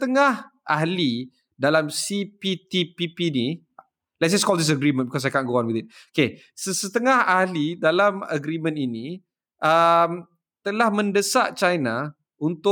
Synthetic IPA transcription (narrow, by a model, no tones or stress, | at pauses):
ət̪əŋahʔaɦli | dalamsipit̪ipipini | lɛt̚d͡ʒɛskɔldis̬əɡɾimə̃nbikɔs̬ajkaʔɡoanwiθɪt̚oke | səsət̪əŋahahlidalamə̰ɡɾimə̃nini | ʔəm | t̪əlahmə̃ndəsa̰ʔt͡ʃajna | unt̪ʊ